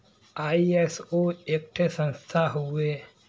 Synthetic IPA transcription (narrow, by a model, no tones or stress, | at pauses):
aːiesoek̚ʈʰsə̃nst̪ʰaɦue